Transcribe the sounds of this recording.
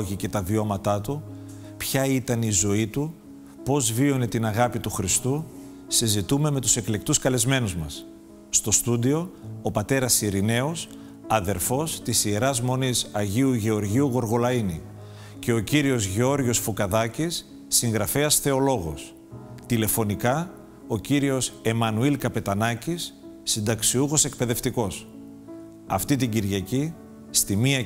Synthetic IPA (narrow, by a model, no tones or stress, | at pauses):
ʝice̞t̪ɐvio̞mɐt̪ɐt̪u | pçɐit̪ɐnizo̞it̪u | po̞zvio̞ne̞t̪inɐɣɐpit̪uxɾist̪u | sizit̪ume̞me̞t̪u̥se̞kle̞k̚t̪uskɐle̞zme̞nuzmɐsː | t̪o̞st̪ud̪io̞ːpɐt̪e̞ɾɐsiɾine̞o̞s | ɐðe̞ɾfo̞st̪isie̞ɾɐzmo̞nisɐʝiuʝe̞o̞ɾʝiuɣo̞ɾɣo̞lɐini | ce̞o̞ciɾio̞zʝeo̞ɾʝosfokɐðɐcisː | iŋɣɾɐfe̞ɐsθe̞o̞lo̞ɣo̞̰s | t̪ile̞fo̞nikɐ | o̞ciɾio̞se̞mɐnuilkɐpe̞t̪ɐnɐcisː | ind̪ɐksiuɣo̞se̞k̚pe̞ðe̞ft̪iko̞s | ɐ̰ft̪it̪iɲɟiɾʝɐci | st̪imiɐ